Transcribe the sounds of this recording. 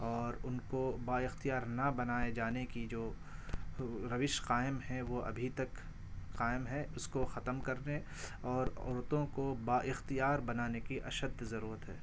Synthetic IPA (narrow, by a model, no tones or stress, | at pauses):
ɔːɾʊnkobaːɪxt̪ijaːɾnɐbɐnaːed͡ʒaːnekid͡ʒoː | ɾɐʋɪʃqaːɪmɦɛ̃ʋoʔɐ̰bʱit̪ɐk | qaːɪmɦɛʊskoxɐt̪əmkɐɾne | ɔːɾɔ̰ːɾt̪õkobaːʔɪxt̪ijaːɾbɐnaːnekiʔɐ̰ʃəd̪zɐɾuːɾət̪ɦɛː